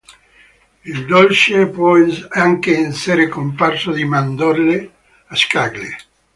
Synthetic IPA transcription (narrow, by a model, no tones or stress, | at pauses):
ild̪olt͡ʃepwɔaŋkeɛnseɾekomparsod̪imand̪olle | askaɡlḛ